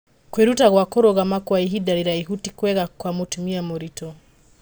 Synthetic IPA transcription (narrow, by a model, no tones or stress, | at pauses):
kweɾutaɣwakɔɾoɣamakwaiɦidaɾiɾaiɦutikwɛɣakwamotumiamoɾitɔ